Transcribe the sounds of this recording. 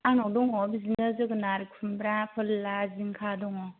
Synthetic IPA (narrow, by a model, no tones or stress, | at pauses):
anɔdɔŋɔbizinɯzɯɡɯnaɾɯk̚pʰɯmbɾapʰɯlːaziŋkʰadɔŋɔ